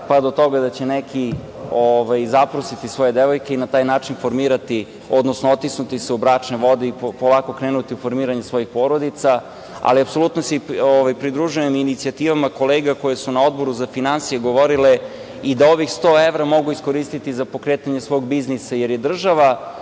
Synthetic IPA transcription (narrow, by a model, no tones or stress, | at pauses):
pad̪o̞t̪o̞ɡad̪at͡ɕe̞nekʰi | oʋajzapɾosit̪isʋo̞je̞d̪eʋo̞jke̞inat̪aːjnaːt͡ʃinfo̞ɾmiːɾat̪i | o̞d̪nosnoot̪isnut̪iseubɾat͡ʂneʋo̞d̪eipolˠaːko̞kɾeːnut̪iufoɾmiːɾaɲesʋo̞jixpo̞ːɾod̪it̪sa | a̰liapso̞lˠut̪nosioʋajpɾid̪ɾuʒujeminit̪siat̪iːʋamako̞leːɡako̞je̞sunao̞d̪̚bo̞ɾuzafinansijeɡo̞ʋo̞ɾile | id̪ao̞ʋixst̪o̞ːeʋɾamo̞ɡuisko̞ɾist̪it̪izapo̞kɾet̪aɲesʋo̞ːɡbiznisajeɾjed̪r̩ʒaʋa